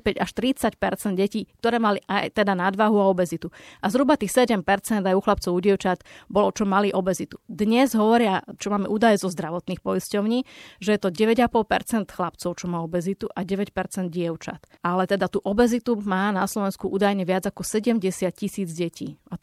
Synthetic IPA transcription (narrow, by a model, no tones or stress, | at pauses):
pɛɟaʃt̪ɾit͡sacpɛɾt͡sɛnd̪̚ɟɛciːk̚t̪ɔɾɛːmaliʔajt̪ɛd̪anad̪ʋaɦuaɔbɛzit̪uʔazɦɾubat̪iːxsɛɟɛmpɛɾt͡sɛnd̪ajuxlap̚t͡sɔʊuɟɪɛʊt͡ʃat̪bɔlɔt͡ʃɔmaliʔɔbɛzit̪ud̪ɲɛzɦɔʋɔɾɪat͡ʃɔmaːmɛʔuːd̪ajɛzɔzd̪ɾaʋɔt̪niːxpɔjiscɔʊɲiːʒɛjɛt̪ɔɟɛʋɛɟapɔlpɛ̰ɾt͡sɛnt̪xlap̚t͡sɔʊt͡ʃɔmaːɔbɛzit̪uʔaɟɛʋɛcpɛɾt͡sɛnd̪ɟɪɛʊt͡ʃa̰t̪ʔalɛt̪ɛd̪at̪uʔɔbɛzit̪umaːnaslɔʋɛnskuʔuːd̪ajɲɛʋɪad͡zakɔsɛɟɛmɟɛsɪat̪̚cisiːd͡zɟɛciːa